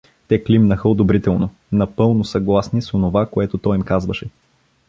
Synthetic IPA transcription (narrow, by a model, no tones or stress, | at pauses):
t̪ɛklimnəxəod̪obɾit̪ɛlˠno | nɐpɤlˠnosɐɡlˠasnisonovakoɛt̪ot̪ɔjimkazvəʃɛ